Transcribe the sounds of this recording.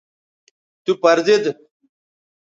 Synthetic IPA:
t̪upɐɾd̪id̪

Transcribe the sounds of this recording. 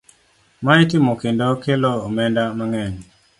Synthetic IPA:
maitɪmɔkɪndɔkeloomɛndamaŋɛɲ

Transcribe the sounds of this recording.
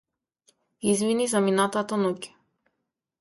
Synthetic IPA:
izvinizaminat̪at̪anucɛ̥

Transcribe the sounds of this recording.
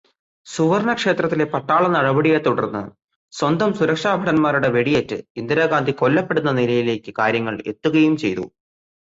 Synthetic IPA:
suʋɐɾɳɐkʂe̞ːt̪rɐt̪ːile̞pɐʈːaːɭɐnɐɽɐbɐɽijet̪ːuɽɐrnːɨ̰ | swɐnd̪ʱɐmsuɾɐkʂaːbʱɐɽɐnmaːɾuɽe̞ʋe̞ɽijetːɨ̰ind̪iɾaːɡaːnd̪ʱiko̞lːɐpːe̞ɽunːɐnilɐjile̞ːkːɨkaːɾjɐŋːɐɭe̞̰t̪ːuɣɐjumt͡ɕe̞̰jt̪ṵ

